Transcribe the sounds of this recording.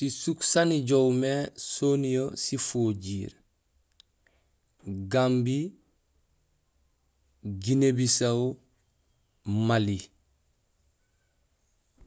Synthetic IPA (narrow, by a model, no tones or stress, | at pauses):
sisuksaniɟowmesonijosifoːɟiːɾ | ɡambi | ɡinebisaw | mali